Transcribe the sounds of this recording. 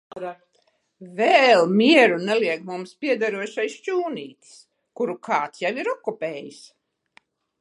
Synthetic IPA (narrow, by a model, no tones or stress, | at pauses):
vɛlˠmʲiɛɾunɛliɛkmumspʲiɛd̪aɾuɔʃajʃt͡ʃuːniːt̪s | kuɾukaːt̪sjawiɾɔkːupʲɛːjis